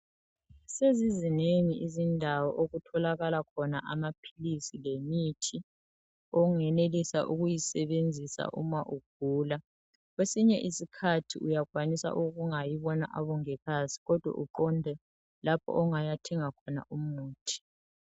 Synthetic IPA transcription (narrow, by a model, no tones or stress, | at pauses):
sezizineŋiʔizindʱawɔʔoɣutʰɔlaɣalakʰɔnaʔamapʰilisilemitʰi | ɔŋɛnelisa̰ʔuɣujisɛβend͡zʱisa̰ʔṵmaʔuɡ̥̚ʱuːla | ɣwesiɲɛʔisikʰatʰiujaɣwanisa̰ʔuɣuŋajiβɔna̰ʔaβɔŋɛkasi̥ɣɔd̥ʱwa̰ʔuǃɔndʱɛ | lapʰɔ̰ʔɔŋajatʰɛŋakʰɔna̰ʔumuːtʰi̥